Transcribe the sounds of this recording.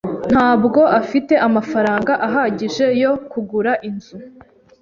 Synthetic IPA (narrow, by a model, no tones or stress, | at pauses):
n̥haːbɡo̞ʔafite̞ʔamafaɾaːŋɡaʔaɦaɟiʒe̞jo̞kuɡuɾaʔinzu